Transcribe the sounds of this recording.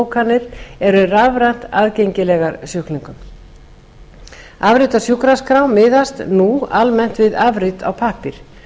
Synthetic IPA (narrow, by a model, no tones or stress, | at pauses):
wkʰanːɪɾ̥ɛɾʏravɾan̥t̪aðcejɲcɪlɛɣaɾsjʏhkniŋkʏm | avɾɪt̪asjuhkɾaskɾawmɪːðast̪nualmɛn̥t̪vɪðavɾɪt̪ʰa̰wpʰaːhpɪɾ̥